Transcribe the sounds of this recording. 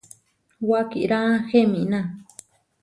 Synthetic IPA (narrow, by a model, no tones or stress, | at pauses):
wakḭɾãxemĩnã